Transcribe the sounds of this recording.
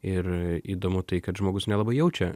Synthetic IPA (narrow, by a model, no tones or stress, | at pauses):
ɪɾiːd̪oːmʊt̪ɐɪkɐt̪ʒmoːɡʊsnʲɛlˠɐbɐɪjɛʊt͡ʃʲɛ